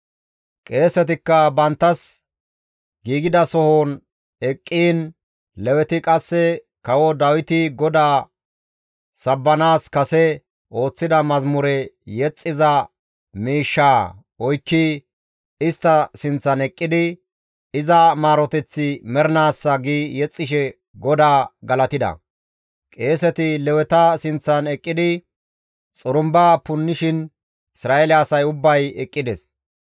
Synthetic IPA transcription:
kʼe̞ːsɛt̪ɪkːɐbɐnt̪ːɐs | ɡiːɡɪd̪ɐsɔhoːn | ɛkʼːiːn | lɛwɛt̪ɪkʼɐsːɛ | kɐwɔd̪ɐwɪt̪ɪɡɔd̪aː | sɐbːɐnaːskɐsɛ | ʔo̞ːt͡sːɪd̪ɐmɐzmʊɾɛjɛt͡sʼːɪzɐ | miːʃːaː | ɔjkːi | ɪst̪ːɐsɪnt͡sːɐnɛkʼːɪd̪ɪ | ɪzɐmaːɾɔt̪ɛt͡sːɪmɛɾnaːsːɐɡiːjɛt͡sʼːɪʃɛ | ɡɔd̪aːɡɐlɐt̪ɪd̪ɐ̰ | kʼe̞ːsɛt̪ɪlɛwɛt̪ɐsɪnt͡sːɐnɛkʼːɪd̪ɪ | t͡sʼʊɾʊmbaːpʊnːɪʃɪn | ɪsɾaːelɪːsɐjʊbːɐjɛkʼːɪd̪ɛs

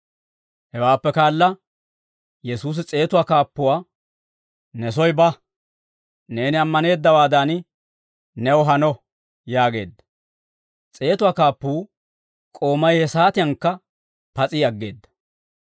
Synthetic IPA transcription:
hɛwaːpːɛkaːlːɐ | jɛsuːs̬ɪt͡sʼe̞ːt̪ʊwaːkaːpːʊwaː | nɛsɔjbɐ | ne̞ːnɪɐmːɐne̞ːd̪ːɐwaːd̪ɐn | nɛwɦɐnɔ | jaːɡe̞ːd̪ːɐ | t͡sʼe̞ːt̪ʊwaːkaːpːuː | kʼo̞ːmɐjhɛsaːt̪ɪjɐŋkːɐ | pɐt͡sʼɪɐɡːe̞̰ːd̪ːɐ̥

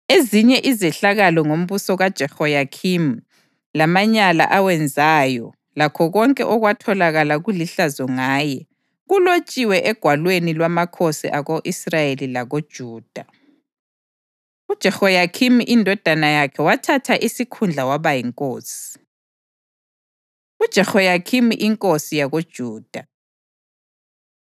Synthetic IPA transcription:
eziɲɛʔizɛɬaɣalɔŋom̩βusɔɣad̥ʒ̥ʱɛhɔjakʰim | lamaɲala̰ʔawɛnd͡zʱaːjɔ | lakʰɔɣɔŋkʼɛ̰ʔɔɣwatʰɔlaɣalaɣuliɬazɔŋaːjɛ | ɣulot͡ʃʼiwɛʔɛɡ̥ʱwalwenilwamakʰosḭʔaɣoʔisrajelilaɣod̥ʒ̥ʱuːd̥ʱa | ud̥ʒ̥ʱɛxɔjakʰimiʔindʱɔd̥ʱanajakʰɛwatʰatʰaʔisikʰund͡ɮʱawaβajiŋkʼoːsi̥ | ud̥ʒ̥ʱɛxɔjakʰimiʔiŋkʼosijaɣod̥ʒ̥ʱuːd̥ʱa

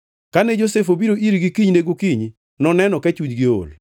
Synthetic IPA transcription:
kanɛd͡ʒosefobiɾoʔiɾɡikiɲneɡokiɲ | nɔnɛnɔkɛt͡ʃud͡ʒɡɪo̰l

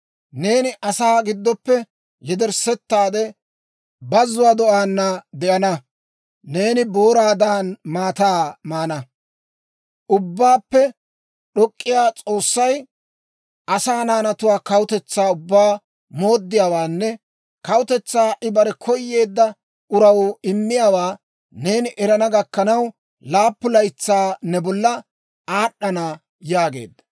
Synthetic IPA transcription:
ne̞ːnɪʔɐsaːɡɪd̪ːɔpːɛ | jɛd̪ɛɾsɛt̪ːaːd̪ɛ | bɐzːʊwaːd̪ɔʔaːnːɐd̪ɛʔɐnɐ | ne̞ːnɪboːɾaːd̪aːnmaːt̪aːmaːnɐ | ʔʊbːaːpːɛ | ɗɔkʼːɪjaːt͡sʼo̞ːsːɐj | ʔɐsaːnaːnɐt̪ʊwaːkɐwʊt̪ɛt͡sːaːʊbːaː | mo̞ːd̪ːɪjaːwaːnːɛ | kɐwʊt̪ɛt͡sːaːʔɪbɐɾɛkʰɔjːe̞ːd̪ːɐ | ʊɾɐwɪmːɪjaːwaː | neːnɪʔɛɾɐnɐɡɐkːɐnɐw | laːpːʊlɐjt͡sːaːnɛbɔlːɐ | aːɗːɐna | jaːɡe̞̰ːd̪ːɐ̥

